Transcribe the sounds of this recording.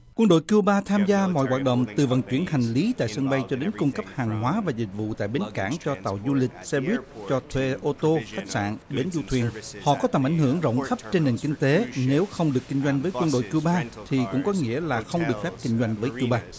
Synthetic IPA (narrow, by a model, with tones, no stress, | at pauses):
kwə˧ŋɗo̰˧˨jki˧wɓaː˧t̪ʰaː˧mzaː˧mɔ̰˧˨jwaː˨˩t̚ɗə̰˧˨wŋ͡mt̪ɨ˨˩və̰˨˩nt͡ɕwi˧˩ənha˨˩ŋ̟li˨˦t̪a̰ː˧˨jsə˧ŋɓə˧jt͡ɕɔ˧ɗe˨˦nkʊ˧ŋ͡mkə˦˥p̚haː˨˩ŋɦwaː˨˦vaː˨˩zï˨˩k̚vṵ˧˨t̪a̰ː˧˨jɓe˨˦nkaː˧˩ŋt͡ɕɔ˧t̪a̰ː˧˨wzu˧lï˨˩k̟̚sɛ˧wi˦˥t̚t͡ɕɔ˧t̪ʰwe˧ʔʔo˧t̪o˧xa˦˥jk̟̚sa̰ː˧˨nɓe˨˦nzu˧t̪ʰwi˨˩ənhɔ̰˧˨kɔ˨˦t̪ə˨˩mʔa˧˩jŋ̟hɨ˧˩əŋzə̰˧˨wŋ͡mxə˦˥p̚t͡ɕe˧nːe˨˩nkï˧ŋ̟t̪e˨˦ne˨˦wxə˧wŋ͡mɗɨ˨˩əkːi˧ŋ̟zwa˧jŋ̟vəː˨˦jkwə˧nɗo̰˧˨jki˧əwɓaː˧t̪ʰi˨˩kʊ̰˧˥ŋ͡mkɔ˨˦ŋḭ˧˥əlaː˨˩xə˧wŋ͡mɗɨ˨˩ək̚fɛ˦˥p̚kï˧ŋ̟zwa˧jŋ̟vəː˨˦jki˧wɓaː˧